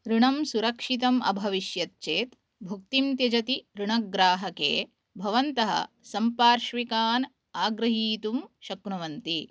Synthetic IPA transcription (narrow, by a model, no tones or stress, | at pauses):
ɾuɳɐmsuɾɐkʂit̪̬ɐmʔɐ̰bʱɐʋiʃjɐt̪t͡ʃeːt̪ | bʱuk̚t̪imt̪jɐd͡ʒɐt̪iɾuɳɐɡɾaːɦɐkḛː | bʱɐʋɐnt̪ɐɦɐ̰ | sɐmpaːɾʃʋikaːn | aːɡɾɐɦiːt̪umʃɐkɳuʋɐnt̪i